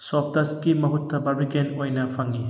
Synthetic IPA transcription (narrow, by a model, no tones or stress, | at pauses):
ssop̚tɐskimɐɦutʰːɐbɐbikenojnɐpʰɐŋi